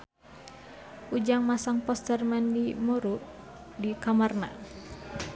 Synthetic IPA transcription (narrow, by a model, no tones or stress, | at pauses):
ʔud͡ʒaŋmasaŋpɔst̪ərmandimɔɾuʔ | dikamarna